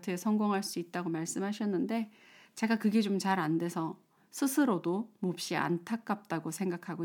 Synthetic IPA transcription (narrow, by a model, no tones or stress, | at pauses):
tʰesʰʌŋɡoŋɦaɭs͈uit̚t͈aɡomaɭs͈ɯmɦaɕʰʌnːɯnde̞ | t͡ɕe̞ɡakɯɡe̞t͡ɕomt͡ɕaɾande̞sʰʌ | sʰɯsʰɯɾodomop̚ɕ͈ia̰ntʰak̚k͈ap̚t͈aɡosʰe̞ŋɡakʰaɡo